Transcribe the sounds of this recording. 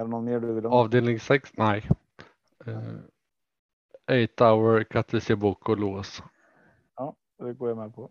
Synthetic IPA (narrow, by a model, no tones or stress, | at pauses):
ɾnɔnmeːɖɵvɪlɑːvd̪eːlnɪŋsɛksnæɪ | eɪt̪aʊəɾkʰat̪ʰːɪseːbuːkʰɔloːs | ɑː | d̪ɛɡoːɾjamɛpʰɔ